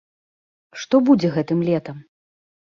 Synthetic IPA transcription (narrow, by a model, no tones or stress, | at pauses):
ʂt̪ɔbud͡zʲɛɣɛt̪ɨmlʲɛt̪ɐm